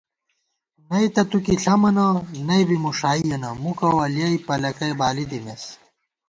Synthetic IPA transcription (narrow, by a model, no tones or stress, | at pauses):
nɐit̪ɐt̪ukiɬʰɐmɐnɐnɐjbimuʂaːijɐnɐmukɐwɐljɐipɐlɐkɐjbaːlid̪imes